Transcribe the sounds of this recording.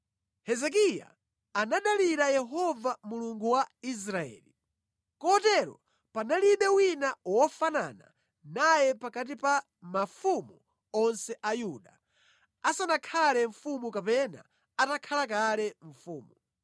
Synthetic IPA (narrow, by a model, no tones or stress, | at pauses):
hɛzɛk̬ija̰ | anaɗaliɾajɛɦɔvamuluŋɡuwais̬ɾaɛ̰ːli | kɔtɛɾɔ̰ | panaliɓɛwinawɔfana̰na̰ | najɛpakat̬ipa | mafumu | ɔnsɛʔajuɗa | asanakʰalɛɱfumukapɛna̰ | atakʰalak̬alɛɱ̩fuːmu